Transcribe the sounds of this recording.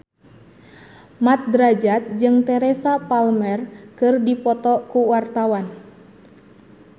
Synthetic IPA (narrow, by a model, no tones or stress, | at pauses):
mat̪̚dɾad͡ʒat̪̚d͡ʒɨŋt̪ɛɾɛsapalmɛrkɨrdipɔt̪ɔkuwart̪awan